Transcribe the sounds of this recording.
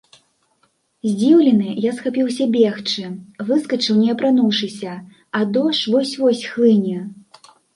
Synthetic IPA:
zʲd͡zʲiwlʲɛnɨjasxapʲiwsʲɐbʲɛxt͡ʂɨvɨskɐt͡ʂɨwnʲɛɐpɾanuwʂɨsʲɐ | ɐd̪ɔʂvɔsʲvɔsʲxlˠɨnʲɐ

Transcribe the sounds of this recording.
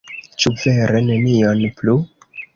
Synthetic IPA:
t͡ʃuve̞ɾe̞ne̞nio̞nplu

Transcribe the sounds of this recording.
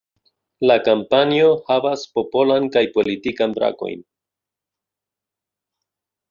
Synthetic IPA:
lakampanio̞havaspo̞po̞lankajpo̞litikanbɾa̰ko̞̰jn

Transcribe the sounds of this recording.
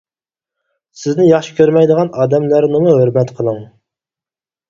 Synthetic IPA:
sɪznɪjɑχʃɪ̥kʲʰøɾmɛjd̪əʁɑnɑːd̪ɛmlæɾnɨmʊɦøɾmɛt̪qʰəlˠəŋ

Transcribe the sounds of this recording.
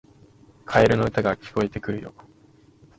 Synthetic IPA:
kʰaeɾɯ̟no̞ɯ̟t̪aɡakʲi̥ko̞et̪e̞kɯ̟ɾɯ̟jo̞̰

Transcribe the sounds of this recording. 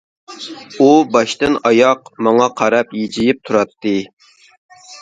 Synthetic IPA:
ubɑʃt̪ɨnɑjɑqmɑŋɑqʰɑɾɑpjed͡ʒijip̚t̪ʰuɾɑt̪ːɨ

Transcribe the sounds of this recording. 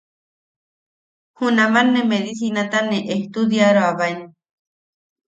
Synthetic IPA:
hunamanːẽmeðisinat̪anẽʔeht̪ud̪jaɾoaβajne

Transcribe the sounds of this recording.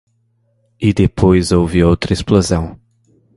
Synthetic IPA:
id̪epʰojzowvɪowt̪ɾɐesplozɐ̃w̃

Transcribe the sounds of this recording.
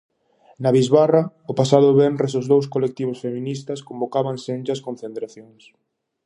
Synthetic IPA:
naβizβara | opasaðʊβɛnɾesozðowskolek̚t̪iβ̞ʊsfemĩnist̪ɐskombokaβaŋsend͡ʒɐskõnθent̪ɾaθjoŋs

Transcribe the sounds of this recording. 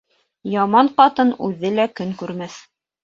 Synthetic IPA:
jɑmɑɴqɑt̪ɤnʉðːɘlækɵŋkʉɾmæθ

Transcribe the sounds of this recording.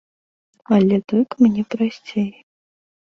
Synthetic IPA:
alʲɛt̪ɔkmnʲɛpɾasʲt͡sʲej

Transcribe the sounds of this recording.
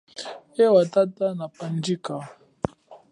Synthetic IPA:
ewatatanapan̩d͡ʒika

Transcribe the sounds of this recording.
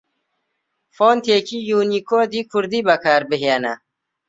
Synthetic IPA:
foːnt̪ʰeːkʰijuːnikoːd̪ikʰuɾd̪ibɐkʰaːɾbeɦjaːna̰

